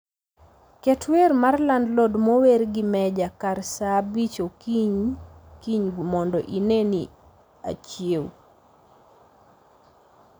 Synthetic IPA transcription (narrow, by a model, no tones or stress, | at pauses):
kɛtweɾmarlandlɔdmowerɡɪmɛd͡ʒakarsabit͡ʃokiɲkiɲɡumɔndɔ̰ʔineni | a̰t͡ʃjew